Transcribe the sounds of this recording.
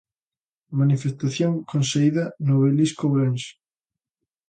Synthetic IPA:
manifest̪aθjoŋkonseiðɐnoβeliskoβɾenʃ

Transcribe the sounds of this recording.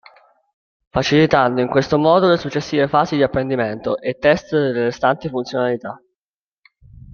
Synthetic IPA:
fat͡ʃilit̪and̪oiŋkwest̪omɔːd̪olesut͡ʃːesːiːvefaːzid̪iapːɾend̪iment̪oʔet̪ːɛst̪d̪elːest̪ant̪ifunt̪sjonalit̪a

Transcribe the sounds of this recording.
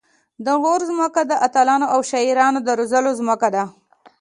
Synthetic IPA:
d̪əɣoɾzməkad̪əʔat̪alɑnoʔawʃaiɾɑnod̪əɾozəlozməkad̪a

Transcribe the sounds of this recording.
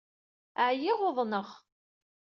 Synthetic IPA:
ʕjɪʁʊðˤnəʁ

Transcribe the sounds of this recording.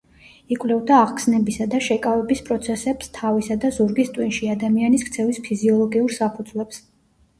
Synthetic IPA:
ikʼwlɛvd̪aːʁkʰsnɛbisad̪aʃɛkʼavɛbispʼɾɔt̪sʰɛsɛpst̪ʰavisad̪azuɾɡist̪ʼwinʃiad̪amianiskʰt̪sʰɛvispʰiziɔlˠɔɡiuɾsapʰud̪zlɛps

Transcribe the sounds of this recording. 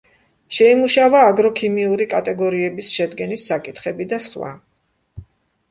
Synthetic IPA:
ʃɛimuʃavaːɡɾɔkʰimiuɾikʼat̪ʼɛɡɔɾiɛbisʃɛd̪ɡɛnisːakʼit̪χɛbid̪asχva̰

